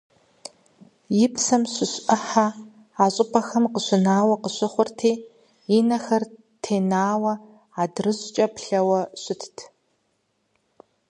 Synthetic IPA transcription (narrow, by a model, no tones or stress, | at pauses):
jɪpsɐmɕɪɕʷʔɐħa | aːɕʼɪpʰʼɐxɐmqəɕʷɪnaːwɐqəɕʷɪχʷʊrtʰeː | jɪnɐxɐr | tʰeːnaːwɐ | aːdrɨʑt͡ʃʼɐpɬɐwɐɕʷʊtʰtʰ